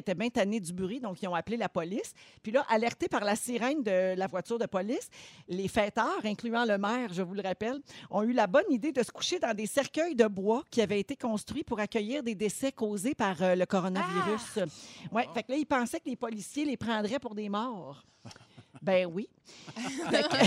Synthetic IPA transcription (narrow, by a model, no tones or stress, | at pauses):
et̪ɛbɛ̃t̪aned͡z̪ybyʁid̪ɔ̃kiɔ̃aplelapɔlɪspɥilʌʔalɛʁt̪epaʁlasiʁɛ̃nd̪əlavwat͡syːʁd̪əpɔlɪslefɛːt̪œːʁɛ̃klyɑ̃ləmɛːʁʒəvulʁapɛlɔ̃ylabɔnid̪ed̪əsə̥ku̥ʃed̪ɑ̃d̪esɛʁkʲœjd̪əbwakʲiavɛet̪ekɔ̃st̪χɥipuʁakʲœjiːʁd̪ed̪esɛkoːzepaʁøləkɔʁɔnaviʁyswɛfaklʌilpɑ̃sɛkəlepɔlisjelepʁɑ̃d̪ʁɛpʊʁd̪eːmɑːʁ | bɛ̃wi | fa